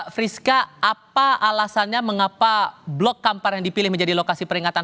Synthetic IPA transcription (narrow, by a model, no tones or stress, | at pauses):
fɾiskaapaʔalasanɲaməŋapablɔkːamparjaŋdipilɪhməɲd͡ʒadilokasipəɾiŋat̪an